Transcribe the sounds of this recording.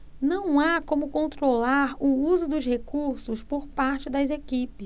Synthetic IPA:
nɐ̃w̃akõmʊkõnt̪ɾolaɾʊuzʊd̪ʊzhekuɾsʊspoɾpaɾt͡ʃɪd̪ɐzekipɪs

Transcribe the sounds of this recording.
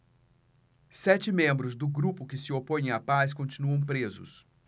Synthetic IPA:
sɛt͡ʃɪmẽmbɾʊzd̪ʊɡɾupʊkɪsɪopõj̃ẽapaskõt͡ʃinuɐ̃w̃pɾezʊ̰s

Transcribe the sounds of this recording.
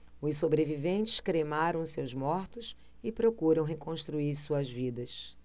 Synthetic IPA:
ʊssobɾevivẽnt͡ʃɪ̥ʃkɾemaɾɐ̃w̃sewzmɔɾt̪ʊs | ɪpɾokuɾɐ̃w̃ɦekõst̪ɾuiɾsuɐzvid̪ɐs

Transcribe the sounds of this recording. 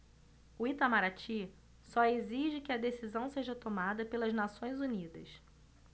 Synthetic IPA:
uit̪amaɾat͡ʃi | sɔeziʒɪkɪɐd̪esizɐ̃w̃seʒɐt̪omad̪ɐpelɐznasõj̃zunid̪ɐs

